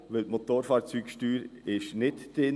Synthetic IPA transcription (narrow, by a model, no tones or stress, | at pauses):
ʋɪltmot̪oːɾfɑːɾt͡syːkʃtyːɾɪʃnɪtd̥ɪ